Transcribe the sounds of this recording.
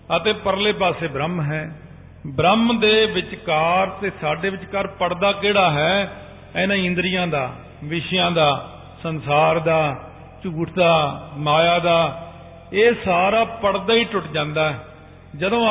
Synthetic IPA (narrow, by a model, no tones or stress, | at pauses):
ət̪eːpəɾleːp̬aːseːbɾəmɦɛː | bɾəmd̪eːʋɪt͡ʃkaːɾt̪eːsaːɖeːʋɪt͡ʃkəɾpəɽd̪aːkeːɽaːɦɛː | ɛnãːɪ̃nd̪ɾɪjãːd̪aː | ʋɪʃjãːd̪aː | sənsaːɾd̪aː | t͡ʃuːʈʰd̪aːmaːjaːd̪aː | eːsaːɾaːpəɽd̪aːiːʈʊʈd͡ʒãːnd̪aːɛː | d͡ʒəd̪õː